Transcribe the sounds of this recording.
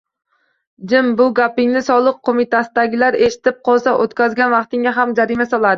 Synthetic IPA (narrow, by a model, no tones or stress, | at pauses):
d͡ʒɪmbʊɡʲapɪŋnɪsɒlˠɨq̚qʰːomɪt̪ʰasɪd̪aɡʲɪlaɾe̞ʃɪ̥t̪ɪp̚qʰɒlˠsaʔot̪kʲʰazɡʲanvɑqt̪ɪŋʲaɦamd͡ʒaɾɪmasɒlˠad̪ɪ